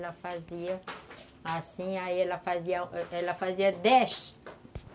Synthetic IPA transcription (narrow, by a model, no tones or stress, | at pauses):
lɐfaziɐ | asĩaiɛlɐfaziɐɛlɐfaziɐd̪ɛʃ